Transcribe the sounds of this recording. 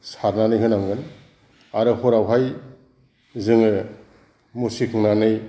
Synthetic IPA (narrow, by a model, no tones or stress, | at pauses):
saɾnanɯjɦɯnaŋɡɯn | aɾɯhɔɾawɦaj | zɯŋɯ | musikʰɯŋnanɯj